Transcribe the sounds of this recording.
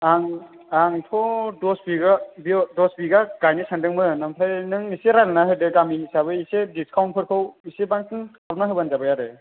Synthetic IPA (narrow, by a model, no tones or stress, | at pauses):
aŋ | aŋtʰɔdɔsbiɡabidɔsbiɡaɡ̥ajnisandɯŋmɯnampʰajnɯŋniseɾalnaɦɯdɯɡamiisaβɯisediskʰawntpʰɯɾpʰawisebaŋtʰɯŋkʰalnaɦɯbanzabɯjaɾɯ